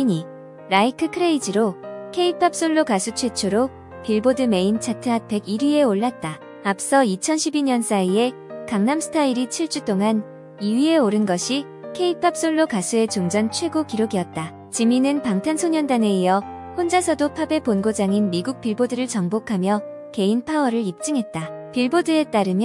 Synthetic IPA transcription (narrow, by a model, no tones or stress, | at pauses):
iɲi | ɾaikʰɯkʰɯɾe̞id͡ʑiɾokʰe̞ipʰap̚s͈oɭːokasʰut͡ɕʰwe̞t͡ɕʰuɾo | piɭbodɯme̞int͡ɕʰatʰɯapʰe̞ɡiɾie̞oɭːat̚t͈a | ap̚s͈ʌit͡ɕʰʌnɕʰibiɲʌns͈ʰaie̞kaŋnamsʰɯ̥tʰaiɾit͡ɕʰiɭt͡ɕ͈ut͈oŋan | iɥie̞oɾɯnɡʌɕʰi | kʰe̞ipʰap̚s͈oɭːokasʰue̞t͡ɕoŋd͡ʑʌnt͡ɕʰwe̞ɡokiɾoɡiʌt̚t͈a | t͡ɕiminɯnpaŋtʰansʰoɲʌndane̞ijʌ | hond͡ʑasʰʌdopʰabe̞ponɡod͡ʑaŋinmiɡuk̚p͈iɭbodɯɾɯɭt͡ɕʌŋbokʰamjʌ | ke̞inpʰaʌɾɯɭip̚t͡ɕ͈ɯŋɦe̞t̚t͈apiɭbodɯe̞t͈aɾɯmj